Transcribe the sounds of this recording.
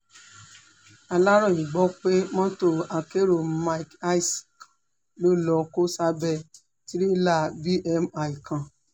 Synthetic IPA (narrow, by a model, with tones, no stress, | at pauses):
a˧la˦ɾɔ˦˨i˨ɡ͡bɔ˦k͡pe˦mɔ̃˦to˦˨a˧ke˦ɾo˨ma˦i˨ka˦i˦si̥˨k | lo˦lɔ˧ko˦sa˦bɛ˦˧˨ | ti˦ɾi˦la˦˨bi˦ʔɛ˧˦ma˨i˨kã˧˨